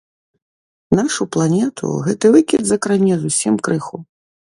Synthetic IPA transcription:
naʂuplˠanʲɛt̪ʰṵɣɛt̪ɨvɨkʲid̪zɐkɾanʲɛzusʲimkɾɨxu

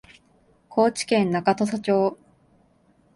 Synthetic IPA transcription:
kʰo̞ːt͡ɕi̥kẽ̞nːakat̪o̞s̬at͡ɕo̞ː

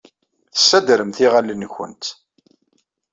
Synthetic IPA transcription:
θə̥sːæd̪ɾəmθiʁælinçə̰nt̪

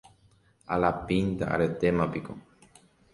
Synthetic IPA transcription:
a̰lapint̪a̰ʔa̰ɾet̪emapiko

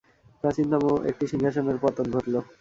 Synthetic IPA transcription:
pɾat͡ɕind̪amuʔḛk̚ʈiʃinaʃ̬oneɾpɔt̪onɡʱoʈlo

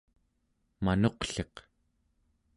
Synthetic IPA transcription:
mano̞qɬeq

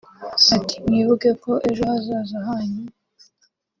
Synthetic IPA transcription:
ati̥mwiβukeko̞ʔeʒo̞hazazaɦaɲi

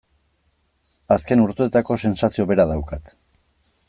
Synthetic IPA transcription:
aske̞nuɾt̪uet̪ako̞se̞nsasio̞βe̞ɾaðawkat̪

